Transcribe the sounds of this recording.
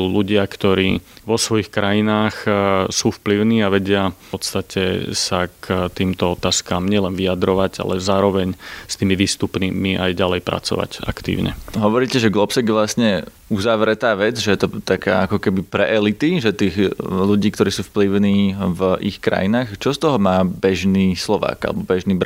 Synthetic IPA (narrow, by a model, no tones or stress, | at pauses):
uluɟɪakt̪ɔɾḭːʋɔsʋɔjixkɾajinaːxsuːfpliʊniːaʋɛɟɪaɔt̪st̪acʰɛ̰sakʰt̪iːmt̪ɔɔt̪aːskaːmɲɪɛlɛnʋiad̪ɾɔʋaɟa̰lɛzaːɾɔʋɛɲst̪iːmiʋiːst̪upnimiʔajɟalɛjpɾʔa̰t͡sɔ̰ʋa̰ca̰kt̪ḭːʊɲɛ̰ɦɔʋɔɾiːcɛʒɛɡlɔpsɛɡʋlasɲɛ | uzaʋɾɛt̪aːʋɛd͡zʒɛjɛt̪ɔt̪aka̰ːakɔkɛbipɾɛʔɛlit̪iʒɛt̪iːɣʎuɟiːkt̪ɔɾiːsuːfpliʊniːvʔixkɾa̰jinaːxt͡ʃɔst̪ɔɦɔmaːbɛʒniːslɔʋa̰ːɡa̰lɛbɔbɛʒniːbɾ